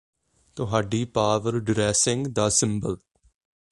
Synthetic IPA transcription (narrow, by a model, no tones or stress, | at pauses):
t̪ʊɦaːɖiːpaːʋəɾɖɾɛːsɪ̃ŋɡd̪aːsɪ̃mbəl